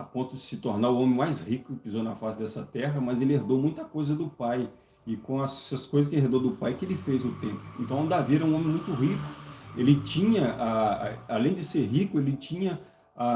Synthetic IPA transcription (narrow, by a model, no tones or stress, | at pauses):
apõnt̪ʊd͡ʒɪsɪt̪oɾnaɾʊõmẽmajshikʊkɪpizownɐfasɪd̪ɛsɐt̪ɛɦɐmɐzelɪeɾd̪owmũj̃t̪ɐkojzɐd̪ʊpaj | ɪkõɐsɐskojzɐs̬kɪẽj̃ɦed̪oɾd̪ʊpajkɪelɪfezʊt̪ẽpʊ̥ẽnt̪ɐ̃w̃d̪aviɾɛũõmẽmũj̃t̪ʊɦikʊ̥elɪt͡ʃĩɲɐaalẽj̃d͡ʒ̪ɪseɾɦikʊelɪt͡ʃĩɲɐ | a